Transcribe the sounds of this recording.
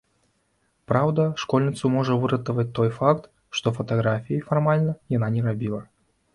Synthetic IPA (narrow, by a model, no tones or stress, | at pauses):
pɾawd̪ɐʂkɔlʲnʲit̪sumɔʐɐvɨɾɐt̪əvɐt͡s̚ʲt̪ɔjfakt̪ | ʂt̪ɔfɐt̪aɣɾafʲijɐfarmalʲnɐjananʲɛrabʲilˠɐ